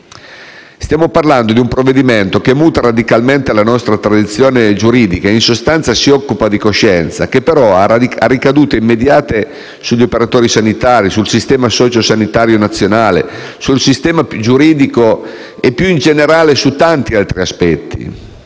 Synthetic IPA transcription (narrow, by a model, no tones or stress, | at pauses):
st̪jaːmoparland̪od̪iumpɾovːed̪iment̪okemːuːt̪aɾad̪ikalment̪elanɔst̪ɾat̪ɾad̪it̪sːjoːned͡ʒuɾiːd̪ikaeinsost̪ant̪sasiɔkːupad̪ikoʃːɛnt̪sa̰k̟epːeɾɔaa̰rːikad̪uːt̪eimːed̪jaːt̪e | suʎːiopeɾat̪oːɾisanit̪aːɾisulsist̪ɛːmasɔːt͡ʃosanit̪aːɾjonat̪sːjonaːlḛ | sulsist̪ɛːmad͡ʒuɾiːd̪iko | epːjuind͡ʒeneɾaːlesut̪ːant̪ialt̪ɾiaspɛt̪ːḭ